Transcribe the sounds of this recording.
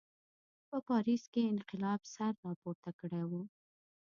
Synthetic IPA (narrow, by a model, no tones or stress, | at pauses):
pəpɑɾiskeɪnqɪlɑbsaɾːɑpoɾt̪akəɽewu